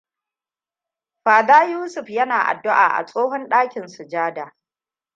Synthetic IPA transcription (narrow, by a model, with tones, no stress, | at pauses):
ɸaː˨daː˦juː˦sʊ˨ɸjɐ˦naː˨ʔa̰˨dːʊ˦ʔa̰ː˨ʔa̰˨sʼoː˦ɦɔ˦nɗaː˦kʲɪ˨nsʊ˨d͡ʒaː˦daː˨